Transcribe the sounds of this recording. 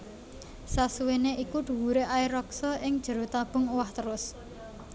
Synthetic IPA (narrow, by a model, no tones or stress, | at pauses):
sasuweneʔikuɖ̪̥ṳwuɾeʔaiɾɔksɔʔɪŋd̥ʒ̥ə̤ɾot̪ab̥ʊ̤ŋuwaht̪əɾʊs